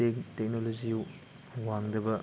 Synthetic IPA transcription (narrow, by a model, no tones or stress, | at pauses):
tek̚noloziu | waŋdɐbɐ